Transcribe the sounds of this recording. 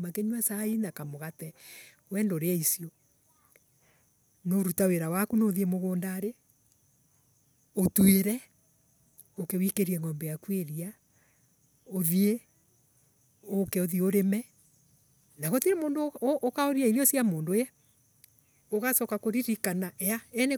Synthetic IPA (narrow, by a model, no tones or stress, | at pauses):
makeɲwasainakamoɣatɛ | wɛːndoɾeaisio | noɾutaweɾawakunoðiemoɣoːndaɾe | otweɾɛ | okewikeɾiɛŋɔmbɛjakweɾia | oðie | okɛoðioɾemɛ | naɣotiɾemoːndoʔokaoɾiaiɾiosiamoːndojɛ | oɣasɔkakoɾiɾikanaʔɛaɛne